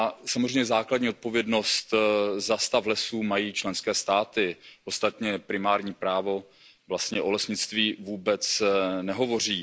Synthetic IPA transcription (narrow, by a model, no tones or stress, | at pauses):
ʔasamozrɛjɲɛzaːkladɲiːot̪̚po̞vjɛdno̞st̪zast̪aflɛsuːmajiːt͡ʃlɛnskɛːst̪aːt̪ɪʔost̪at̪ɲɛpɾɪmaːɾɲiːpɾaːvo̞ | vlast̪ɲɛʔo̞lɛsɲɪt͡st̪viːvuːbɛt͡snɛɦo̞vo̞r̝iː